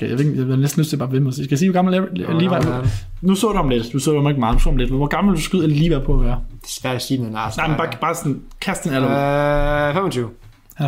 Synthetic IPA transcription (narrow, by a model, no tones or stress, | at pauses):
jaʋeeɡjahɑnesd̥n̩løsdt͡sʰe̝b̥ɑːʋemɒsiskæsiːʋɒɡɑ̈ml̩elliːʋɑ | nusɔ̰ːd̥uhɑmled̥d̥usɔ̰ːd̥uhɑmeɡ̥mɑ̈ːð̩ˠnuso̰ːɑmle̝d̥ʋʋɒɡ̥ɑ̈ml̩d̥usɡ̥uð̰ˠelliːʋæpʰɒ̽æʋæːɐd̥e̥sʋæɐ̰d̥æsiːmennɑ̈ɪmenb̥ɑ̈b̥ɑ̈ːsɔn | kʰæsd̥enælə | femɒt͡sʰyʊ